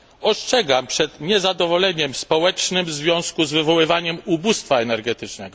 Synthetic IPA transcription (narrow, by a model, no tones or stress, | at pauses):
ɔstɛɡampʂɛt̪ɲɛzad̪ɔvɔlɛɲɛmspɔwɛt͡ʂnɘmvzvʲjɔ̃w̃skuzvɘvɔwɘvaɲɛmubust̪faɛnɛɾɡɛt̪ɘt͡ʂnɛɡɔ